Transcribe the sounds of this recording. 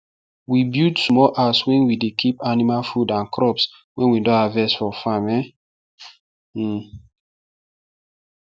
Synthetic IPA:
wibjudsmɔlʔaswɛ̃nwidekʰipanimalfudãnkʰɾɔps | wɛ̃nwidɔavɛsfɔfãmɛ

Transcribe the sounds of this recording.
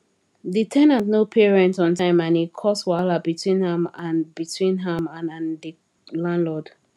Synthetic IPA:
ditʰɛ̃nãntnopʰiɹɛ̃ntɔ̃ntãɪ̃mãnikʰɔswalabitʰwĩnhɛ̃mãnbitʰwĩnɦɛ̃mãnãndi | lãnlɔd̥

